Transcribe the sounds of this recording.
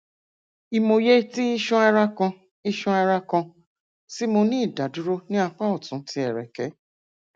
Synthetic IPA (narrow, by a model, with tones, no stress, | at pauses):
i˧mo˧je˦ti˦i˦ʃũ˦ɛ˧ɾa˦kɔ̃˧ | i˦ʃũ˦ɛ˧ɾa˦kɔ̃˧ | si˦mo˧nĩ˦i˦˨da˨du˨˦ɾo˦nĩ˦a˧k͡pa˦ɔ˦˨tũ˨˦ti˧˦ɛ˨ɾɛ˨kɛ˨˦